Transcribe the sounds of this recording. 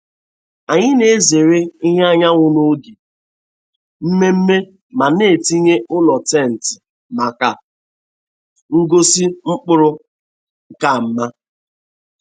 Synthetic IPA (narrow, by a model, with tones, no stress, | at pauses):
a˨ɲɪ˦ne˨˦ze˨ɾe˦i˦ɦe˦a˦ɲa˦ŋʷʊ˦no˦ɡi˨ | m̩˦me˦m̩˦me˦ | ma˨ne˦˨ti˦ɲe˦ʊ˦lɔ˨tɛ˦˨n̩˨tɪ˨ | ma˨ka˨ | ŋ̩˦ɡo˦si˦ŋ͡m̩˦k͡pʊ˦ɾʊ˦ | ŋ̩˦˨ka˦˨m̩˦ma˦